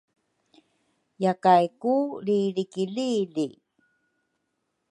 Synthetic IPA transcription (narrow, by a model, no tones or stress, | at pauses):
jakajkulilikiliːli